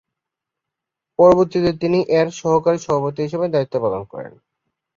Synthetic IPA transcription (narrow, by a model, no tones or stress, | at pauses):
pɔɾoboɾt̪it̪et̪iniʔeɾʃɔɦokaɾiʃɔbʱapot̪iɦiʃebed̪ait̪ːopalonkɔ̰ɾḛn